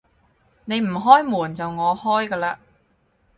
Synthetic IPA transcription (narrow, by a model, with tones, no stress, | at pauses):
ne˨˧jm̩˨˩ɦɔː˥jmuː˨˩nt͡sɐ˨wŋɔː˨˧hɔː˥jkɐː˧laː˧